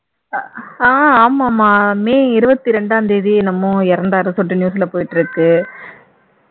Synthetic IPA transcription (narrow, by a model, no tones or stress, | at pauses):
aːaːmaːmaːmeːɪɾɯbɐt̪ːiɾɛɳɖaːɐnd̪eːðiɛnɐmːʊ̃ɛɾɐnd̪aːɾɯsɔʈːɯnjuːsɪlɐpoːjɪʈːɪɾɯkːɯ